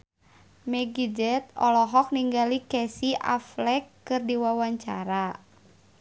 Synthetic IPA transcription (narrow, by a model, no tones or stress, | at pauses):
mɛɡid͡ʒɛt̪̚ɔ̰lɔɦɔk̚niŋɡalikɛsiʔa̰flɛkːɨrdiwawaɲt͡ʃa̰ɾa